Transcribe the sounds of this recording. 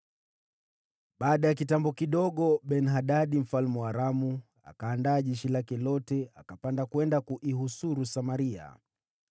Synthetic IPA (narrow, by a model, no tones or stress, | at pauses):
ɓaːɗajakitambɔkiɗɔɠɔɓɛnɦaɗaɗim̩falmuaɾamu | a̰kaːndaːʄɛʃilakɛlɔtɛakapandakuwɛndakuʔiɦusuɾusamaɾia̰